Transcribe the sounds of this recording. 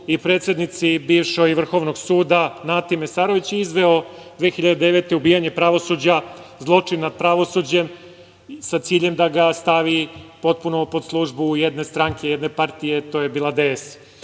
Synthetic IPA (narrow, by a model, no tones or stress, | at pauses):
ipɾet̪sʲje̞d̪nit̪sibiːʋʃo̞ɡiʋr̩xo̞ʋno̞ɡsuːd̪anat̪imesaːɾo̞ʋit͡ɕizʋe̞o̞ | d̪ʋeːxiʎad̪ed̪e̞ʋe̞t̪e̞ubiːjaɲe̞pɾaʋo̞sud͡ʑa | zlˠo̞t͡ʂinapɾaʋo̞suːd͡ʑem | sat̪siːʎe̞md̪aɡast̪aʋipo̞t̪̚punopo̞d̪slˠuʒbujed̪ne̞st̪ɾaŋkʰe̞jed̪ne̞paɾt̪ijet̪o̞ːjebilad̪es